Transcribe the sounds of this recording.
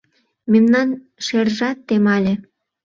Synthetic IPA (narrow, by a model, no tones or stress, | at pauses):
memnɑn | ʃerʒɑt̪ːemɑlʲĕ